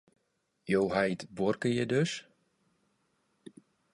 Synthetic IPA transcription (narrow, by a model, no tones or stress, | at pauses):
jowɦajtbɔrkəjədøs